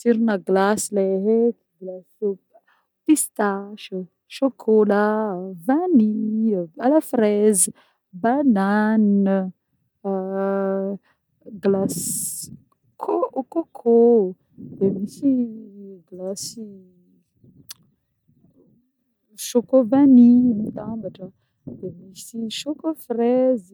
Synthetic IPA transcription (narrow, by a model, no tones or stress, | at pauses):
siɾinaɡlasileɦekɡlas | pist̪aʃə | ʃokʰolavani | alafrezə | banan | ɡlas | kʰokokʰo | d̪emisi | ɡlasi | ʃokovanimit̪ambaʈ͡ʂə | d̪emisiʃokofrɛz